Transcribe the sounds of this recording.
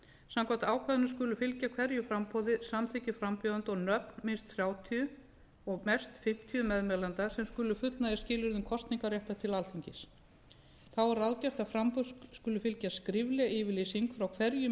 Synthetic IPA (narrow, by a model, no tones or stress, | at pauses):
samkʰan̥t̪aːwkʰvaðnʏ̥skʏːlʏfɪlcakʰvɛɾjʏfɾampʰɔwðɪsamθɪcɪfɾampjœːðant̪ɔɣnœpnmɪnst̪θɾjaːwt̪ʰiʏ | ɔɣmɛst̪fɪm̥t̪ʰiʏmɛðmɛlant̪asɛmskʏːlʏfʏt̪lnaɛscɪːlɪɾðʏmkʰɔst̪niŋkarjɛht̪at̪ʰɪlalθiɲcɪs | θawɛɾaðcar̥t̪afɾampɔðskʏːlʏfɪlcaskɾɪvlɛaʔɪːvɪliːsiŋkfɾawkʰvɛɾjʏ